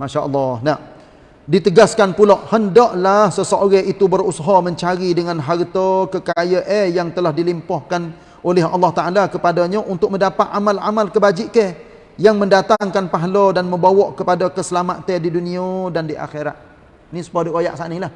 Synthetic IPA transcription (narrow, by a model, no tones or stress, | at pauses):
maʃaʔəlˠːɑhna | dit̪əɡaskanpuloʔhəndɔʔlahsəsəʔoɣɛʔit̪ubərusaɦɔməɲt͡ʃaɾidəŋanɦart̪əkəkajəʔejaŋt̪əlahdilimpɔhkan | ʔolɛɦɑ̰lˠːɑht̪aʔalakəpadaɲəʔunt̪ʊk̚mə̃ndapat̪̚amala̰malkəbad͡ʒiʔkə | jaŋməndat̪aŋkanpaɦlodanməmbawɔʔkəpadakəsəlamat̪ədiduniədandiʔa̰xeɾa̰t̪̚ | nisə̥paduaja̰ʔsanilah